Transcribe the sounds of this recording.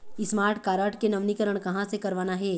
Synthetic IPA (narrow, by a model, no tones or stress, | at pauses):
ɪsmaːɾʈʰkaːɾəʈʰkenɐʋnikəɾəɽ̃kɐɦãsekɐɾʋaːnaɦɛː